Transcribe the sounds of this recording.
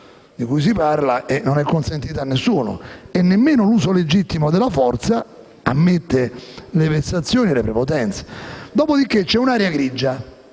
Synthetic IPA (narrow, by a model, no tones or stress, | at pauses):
d̪ikujs̬ipaɾlaʔenːonɛkːonsent̪iːt̪anːesːuːno̰ɛnːemːeːnoluːsoled͡ʒit̪ːimod̪elafɔrt̪sa | amːet̪ːelevesːat̪sːjoːniɛlepɾɛpot̪ɛnt̪se̥d̪ɔːpod̪ik̟ːet͡ʃːɛunaːɾjaɡɾid͡ʒːa